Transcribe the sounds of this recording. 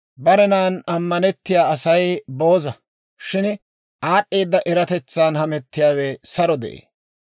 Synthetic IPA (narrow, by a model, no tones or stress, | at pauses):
bɐɾɛnaːnɐmːɐnɛt̪ːɪjaːɐsɐjbo̞ːzɐ | ʃɪn | ʔaːɗːe̞ːd̪ːɐʔɛɾɐt̪ɛt͡sːaːnhɐmɛt̪ːɪjaːwɛsɐɾɔd̪ɛʔḛː